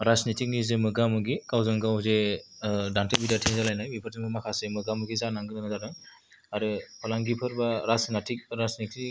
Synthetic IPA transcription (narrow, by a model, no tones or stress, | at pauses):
ɾasnitʰik̚nizemɯɡamɯɡikawzɔŋɡawze | dantebidatʰiŋzalajnajbipʰɯɾtimɯmakʰasɯjmɯɡamɯɡizanaŋɡɯnɯnazadɔj | aɾɯpʰɔlaŋɡipʰɯɾbaɾasnatʰik̚ɾasniti